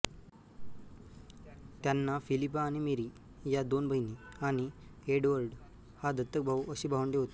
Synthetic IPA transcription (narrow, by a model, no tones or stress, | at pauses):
t̪janːafilip̬aːɽ̃imeɾi | jad̪onbʱəɦiniaɽ̃ieɽʋəɾɖ | had̪ʱət̪ːək̚bʱaʋəɕiːbʱaʋəɳɖeɦot̪e